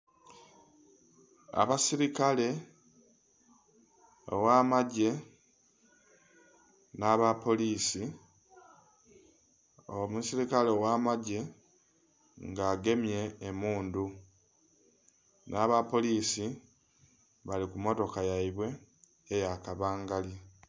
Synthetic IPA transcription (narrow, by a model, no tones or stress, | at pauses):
a̰βasiɾikale̞ | o̰wamaɟe̞ | naβapo̞liːsi | omusiɾikale̞wamaɟe̞ | ŋɡaːɡe̞mje̞ːmuːndu | naβapo̞liːsi | βalikumo̞to̞kajaiβwe̞ː | jakaβaːŋɡalje